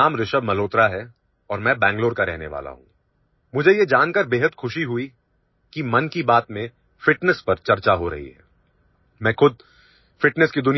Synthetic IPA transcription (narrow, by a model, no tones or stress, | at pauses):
aːmɾɪʃəbmɐloːt̪ɾaɦɛ | ɔːɾmɛ̃ːbɛ̃ːŋɡloːɾkaɾɛ̰ɦnḛʋa̰ːla̰ɦṵ̃ː | mʊd͡ʒʱejed͡ʒaːnkɐəɾbeːɦəd̪xʊʃiɦʊi | kimɐnkibaːt̪mẽ | fɪʈnəspɐɾt͡ʃɐɾt͡ʃaɦoɾɐ̰ɦḭɦɛ̰ː | mɛ̃ːxʊd̪̚ | fɪʈnəskid̪ʊni